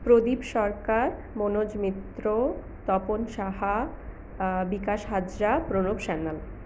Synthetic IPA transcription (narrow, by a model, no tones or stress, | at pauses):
pɾod̪ibʃɔɾkaɾ | monod͡ʑmit̪ːɾo | t̪ɔponʃaɦa | bikaʃɦad͡ʒɾapɾonobʃɛnːal